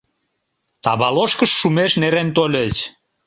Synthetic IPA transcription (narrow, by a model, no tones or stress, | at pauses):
t̪ɑβɑloʃkəʃːumeʃneɾent̪olʲət͡ɕ